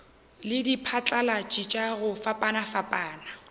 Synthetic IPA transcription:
lɪdipʰat͡ɬʼalat͡ʃʼit͡ʃʼaɣʊfapʼanafapʼaːna

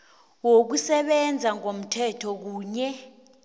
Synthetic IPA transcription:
wok̬usɛɓɛnd͡zʱaŋom̩tʰɛtʰɔk̬uːɲɛ

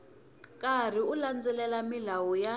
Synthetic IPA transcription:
kʼar̤iuland͡zɛlɛlamilawɔja

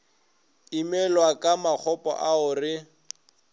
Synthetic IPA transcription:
imɛlwakʼamak͡xʰɔpʼɔ̰ʔaʊrɪ

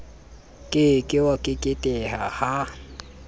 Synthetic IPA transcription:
kʼɪkʼɪwakʼɪkʼɪtʼɛhaha

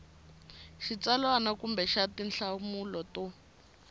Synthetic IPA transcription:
ʃit͡salwanakumbɛʃatinɬaumulɔtɔ

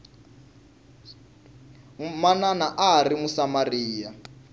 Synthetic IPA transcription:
mananaʔaarimusamariːja

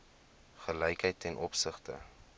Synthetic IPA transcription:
χəlɛjkəjtʰːɛnʔɔpsəχtə̰

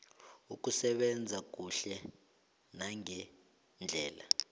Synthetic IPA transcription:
uk̬ʼusɛɓɛnd͡zʱak̬ʼuɬɛ | naŋɛ | nd͡ɮʱɛːla

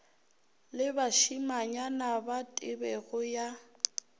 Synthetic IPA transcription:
lɪbaʃimaɲanabatʼɪbɛɣʊja

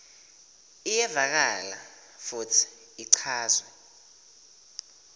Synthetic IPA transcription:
ijɛvak̬ala̰ | futʰi̥ | iǀʰaːzwa

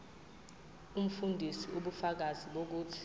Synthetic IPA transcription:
um̩fundʱisiuɓufak̬aziɓok̬uːtʰi̥

